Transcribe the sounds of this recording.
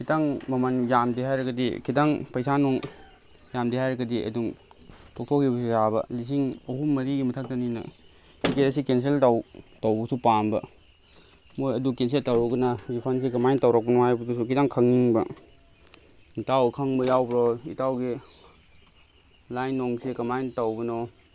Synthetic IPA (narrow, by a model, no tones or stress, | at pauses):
kʰitaŋmɐmɐnjamdiɦajɾɐɡɐdḭkʰidaŋpɐjsanɔŋ | jamdiɦajɾɐɡɐdiʔɐ̰duŋtʰok̚tʰɔkʰibɐsizabɐ̰lis̬iŋɐhumːɐɾiɡimɐtʰak̚tɐninɐ̰ | kʰiketɐs̬ikens̬eltawtawbɐsupanbɐ̰ | mojɐdukens̬eltawɾɔɡɐnɐɡipʰans̬ikɐmajntawɾak̚pɐnɔhajbɐdusukʰidaŋkʰɐŋiŋbɐ | itawkʰɐŋbɐjawbɾɔitawɡi | lajnːɔŋsikɐmajntawbɐnɔ